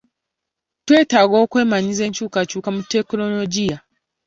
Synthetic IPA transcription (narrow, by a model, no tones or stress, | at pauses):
tweːtaːɡoːkwe̞ːmaɲize̞ːɲt͡ʃuːkat͡ʃuːkamutːekno̞loɟija